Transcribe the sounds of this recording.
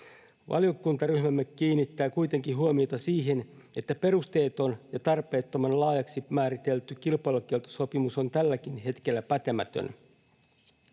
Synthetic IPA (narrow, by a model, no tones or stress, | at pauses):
ʋʔɑ̰liokunt̪ɑryhmæmːekːiːnːit̪ːæːkujt̪e̞ŋkiɦuomio̞t̪ɑsiːɦen | e̞t̪ːæpe̞rust̪e̞ːt̪o̞njɑt̪ɑrpe̞ːt̪ːomɑnlɑːjɑksimæːɾit̪e̞lt̪ykilpɑjlukelt̪o̥so̞pimusont̪ælːæk̟inɦe̞t̪kelːæpæt̪emæt̪ø̰n